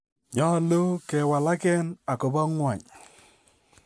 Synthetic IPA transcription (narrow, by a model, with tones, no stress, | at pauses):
ɲɔ˦lo˦kɛ˨wa˨la˦kɛ˦na˨kɔ˨bɔ˦ŋwa˨ɲ